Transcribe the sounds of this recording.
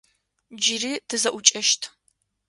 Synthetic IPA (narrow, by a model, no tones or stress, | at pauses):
d͡ʒɪriːtʰɨzɐʔʷʊt͡ʃʼɐʃtʰ